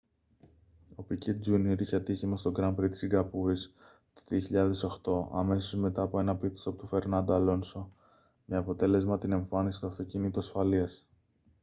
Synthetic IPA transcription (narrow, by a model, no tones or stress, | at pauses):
o̞picet̪̚d͡zunioɾiçeɐt̪içimɐst̪o̞ɡɾɐmpɾit̪i̥siŋɡɐpuɾis | t̪oðioçiʎɐðe̞so̞xt̪o̞ʔɐ̰me̞so̞zme̞t̪ɐːpoe̞nɐpiθi̥sɐpot̪ufe̞ɾnɐnd̪oɐlo̞nso | meɐpo̞t̪e̞le̞zmɐt̪ine̞ɱfɐnisi̥st̪uɐft̪o̞cinit̪uɐsfɐliɐs